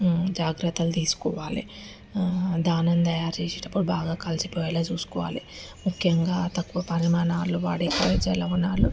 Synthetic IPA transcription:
d͡ʒaːɡɾɐt̪ːɐlt̪iːsu̥kɔːʋaːlḭ | d̪aːnɐnt̪ɐjaːɾt͡ʃeːseːʈɐpːuɽubaːɡaːkɐlsipɔːjalaːt͡ʃuːsu̥kɔːʋa̰ːli | mukʰjɐŋɡaːt̪ɐkːʋɐpɐɾimaːnaːluʋa̰ːɽeːkːɐʋɐd͡ʒɐlɐunaːlu

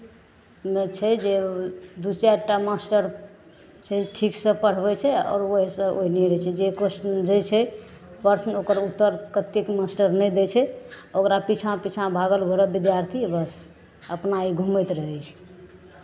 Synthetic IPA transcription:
met͡ʃʰɛd͡ʒed̪ut͡ʃɛɾʈamasʈəɾ | t͡ʃʰɛʈʰiksə̃pəɽ̤bɛt͡ʃʰɛɔ̰ːɾoɦisə̃oɦiniɾɛt͡ʃʰɛd͡ʒekosʈd͡ʒet͡ʃʰɛ | bəɾsnokəɾut̪ːəɾkət̪ikmasʈəɾnɛjd̪ɛt͡ʃʰɛokɾapit͡ʃʰãpit͡ʃʰãbʱaɡəlbʱoɾəbid̪jaɾt̪ʰibəs | əpnaiɡʱumɛt̪ɾəɦɛt͡ʃʰɛ̥

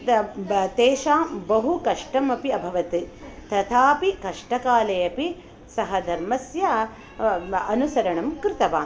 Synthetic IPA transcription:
t̪eːʃaːmbɐɦukɐʂʈɐmɐpiɐbʱɐʋɐt̪it̪ɐt̪ʰaːpikɐʂʈɐkaːlɐjɐpi | sɐɦɐd̪ʱɐɾmɐsjɐ | ɐnusɐɾɐɳɐmkɾɪt̪ɐʋaː

